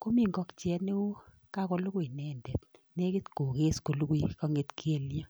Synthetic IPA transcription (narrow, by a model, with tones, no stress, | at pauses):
ko˦mi˦˨ŋɡɔ˦kt͡ʃjɛ˦ne˦o˦ | ka˦kɔ˦lu˦ku˦˨i˨nɛ˦˨ndɛ˨t̚ | ne˦kɪ˦tko˨ke˦sko˨lu˦ku˦i˦kɔ˦ŋe˨tke˦˨lja˦